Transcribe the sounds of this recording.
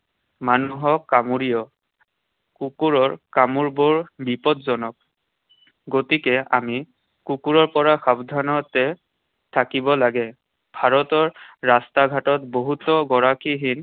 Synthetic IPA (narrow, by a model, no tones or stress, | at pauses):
manuɦɔkamuɹijɔ | kukuɹɔɹkamuɹbɔɹbipɔtzɔnɔk̚ | ɡotikɛami | kukuɹɔɹpɔɹaxabdʱanɔtɛ | tʰakibɔlaɡɛ | b̥ʱaɹɔtɔɹːastaɡʱatɔtboɦutɔɡɔɹakiɦin